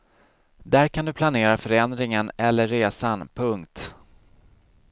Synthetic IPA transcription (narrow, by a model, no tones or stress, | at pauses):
d̪æɾkʰand̪ɵpʰlaneːɾafœɾɛnd̪ɾɪŋənɛlːəːeːsanpʰɵŋkt̪